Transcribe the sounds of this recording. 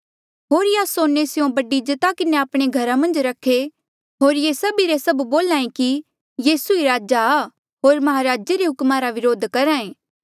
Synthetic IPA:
ɦoːɾjaːsoːnesɪjõbɐɖid͡ʒɐt̪akɪneaːpɽ̃eɡʱɐɾamɐ̃nd͡ʒɾɐkʰːe | ɦoːɾjesɐbiɾesɐbboːlãːẽki | jiːsuiɾaːd͡ʒa | ɦoːɾmɐɦaɾaːd͡ʒeɾeɦʊkmaɾaʋɪɾoːd̪ʱkɐɾaːẽː

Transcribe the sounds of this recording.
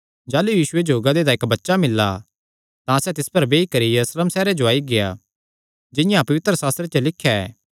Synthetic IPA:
d͡ʒaːlujiːʃʊed͡ʒoːɡad̪ed̪aɪkbɐtːʃamɪlːa̰ | t̪ãsɛt̪ɪspɐɾbeːikɐɾijɐɾusləmsɛːɾed͡ʒoaːiɡeja̰ | d͡ʒɪjãpɐʋɪt̪ɾəsaːst̪ɾet͡ʃelɪkʰːjaɛ̰ː

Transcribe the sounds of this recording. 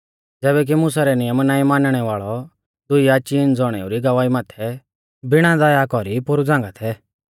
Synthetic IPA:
d͡zɛːbɛk̬imʊsaɾɛnɪjəmnaːĩmaːnɽ̃ɛʋaːɭɔ | d̪ʊiat͡ʃind͡zɔɽ̃ɛ̰ːuɾiɡɐʋaːimaːt̪ʰɛ | bɪɽ̃ãd̪ajakɔɾipʊɾud͡zãːŋɡat̪ʰɛ

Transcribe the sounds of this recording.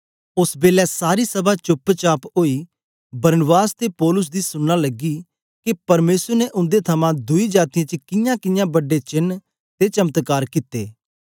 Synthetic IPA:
ʊsbeːlɛsaːɾisɐbat͡ʃʊpːt͡ʃaːpoːiː | bɐɾnəbaːst̪epɔːlʊs̬d̪isʊnːalɐɡi | kepɐɾmeːsəɾneʔʊ̃nd̪et̪ʰɐmãd̪ʊid͡ʒaːt̪ɪjãt͡ʃkɪjãkɪjãːbɐɖet͡ʃɪnː | t̪et͡ʃɐmət̪kaːɾkɪt̪ːḛː

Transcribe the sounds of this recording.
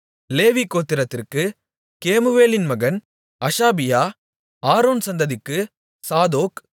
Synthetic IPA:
leːʋikːoːt̪ːɪɾɐt̪ːɪrkɯ | keːmɯʋeːlɪnmɐɣɐn | ɐʂaːbɪjaː | aːɾoːnsɐnd̪ɐðɪkːɯ | saːðoːk

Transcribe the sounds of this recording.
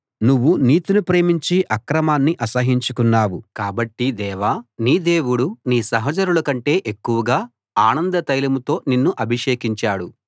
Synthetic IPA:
nuʋːuniːt̪inupɾe̞ːmiɲt͡ʃiʔɐkɾɐmaːnːiʔɐsɐɦiɲt͡ʃukunːaːwukaːbɐʈːid̪ɛːʋaːniːd̪e̞ːwuɽuniːsɐɦɐt͡ʃɐɾulɐkɐɳʈe̞ːʔekːuʋɐɡaː | aːnɐnd̪ɐt̪ɐjlɐmut̪o̞ːninːuʔɐbʱiʂe̞ːkiɲt͡ʃaːɽu

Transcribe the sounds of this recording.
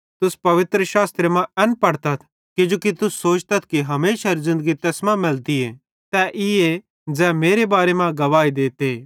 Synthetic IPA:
t̪ʊspɐʋɪt̪ɾəʃaːst̪ɾəmãɛ̃npɐɽt̪ɐt̪ʰ | kid͡ʒoːkit̪ʊsːoːt͡ʃt̪ɐt̪̚ʰkiɦɐmeːʃaɾzɪ̃nd̪əɡit̪ɐsmãmɪlt̪ie | t̪ɛʔɪe | d͡zɛːmeːɾebaːɾemãɡɐʋaːid̪eːt̪eː

